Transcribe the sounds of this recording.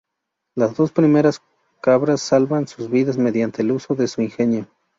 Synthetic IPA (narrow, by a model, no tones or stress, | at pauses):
lazðo̞spɾimeɾas | kaβɾasːalβansuzβiðazme̞ðjant̪eluso̞ðe̞suinxenjo